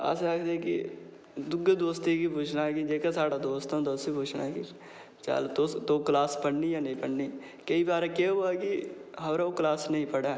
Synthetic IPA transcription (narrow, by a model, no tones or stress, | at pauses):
ə̰seakʰd̪eɛ̃kḭ | d̪ʊɡed̪oːst̪ikipʊːt͡ʃʰnaːkid͡ʒeːkasaːɽaːd̪oːst̪ãːd̪aːʊsipʊːt͡ʃʰna̰ːki | t͡ʃa̰lt̪ot̪oːklaːspəɽniːjaːnəĩːpəɽniː | kəiːbaːɾeːkeːoːaːkiɦəːɾaoklaːsnəĩːpəɽaː